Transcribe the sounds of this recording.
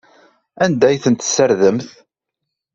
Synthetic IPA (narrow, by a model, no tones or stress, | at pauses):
ænd̪æjθənt̪sːəɾðəmθ